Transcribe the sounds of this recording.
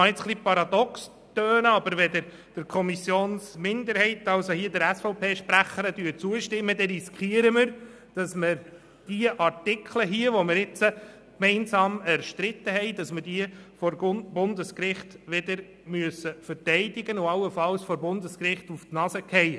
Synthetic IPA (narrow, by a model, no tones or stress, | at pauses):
ɑɪt͡sχlipɑɾɑd̪ɔks | t̪øːnəɑbəɾʋɛdəɾ | d̥ɪɾkʰɔmisjoːnsmɪndəɾhɛɪt̪ɑlsohiːdəɾæsfɔʊpʰeːʃpɾæχəɾədyːt͡suəʃtɪmːədɛnɾiskχiəɾəməɾ | d̥ɑsməɾ | d̥iəʔɑɾtɪkʰləɦiəʋɔməɾɪt͡sə | kmɛɪnsɑːmæɾʃtɾɪt̪ːəɦɛɪd̥ɑsməɾd̥iəfɔɾbʊnd̪əskɾɪχtʋɪd̪əɾ | myəsəfəɾtɛɪdɪɡənʊɑlːəfɑlsfɔɾbʊnd̪əskrɪχtuftnɑsəkʰɛɪ